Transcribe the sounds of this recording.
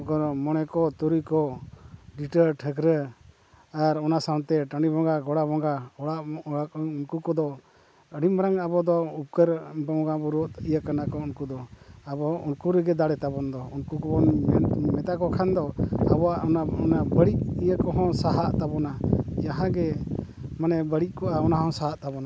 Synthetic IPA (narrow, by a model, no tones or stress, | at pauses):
ɡɔmɔɽɛkɔt̪uɾikɔ | ɖiʈəɾʈʰəɡɾə | aɾɔnasawt̪ɛʈaɳɖibɔŋɡaɡɔɽabɔŋɡaɔɽaaunkukɔd̪ɔ | əɽimɾaŋabɔd̪ɔup̚kəɾbɔŋɡabuɾɔʔijakanakɔunkud̪ɔabɔunkuɾəɡɛd̪aɽɛt̪abɔnd̪ɔunkukɔbɔnɛmɛt̪akɔkʰand̪ɔabɔaʔnaɔnabəɽic̚ijakɔɦɔ̃saɦaʔt̪abɔnad͡ʒaɦãɡɛ | manɛbəɽic̚kɔʔaɔnaɦɔ̃saɦaʔt̪abɔna